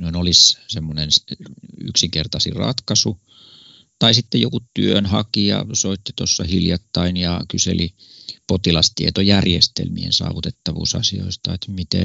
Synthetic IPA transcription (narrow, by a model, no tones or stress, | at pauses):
nonolissemːonensy̰ksiŋkert̪ɑsḭrɑ̰t̪kɑsu | t̪ɑisit̪ːejokutt̪yønhɑkijɑ̰soit̪ːit̪osːɑhiljɑt̪ːɑinjɑkyselipot̪ilɑst̪iet̪ojærjest̪ḛlmiḛnsɑ̰ːʋut̪et̪ːɑʋṵːsɑ̰sio̰ist̪ɑet̪mit̪ḛ